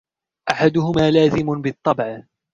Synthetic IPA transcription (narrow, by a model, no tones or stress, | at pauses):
ʔaħad̪ʊhʊmaːlaːzɪmʊbɪt̪ˤːɑbʕa